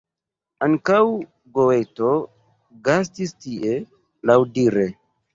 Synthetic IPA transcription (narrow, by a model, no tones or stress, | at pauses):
aŋkaw | ɡoweto | ɡas̬tistiʔe | lawdiɾe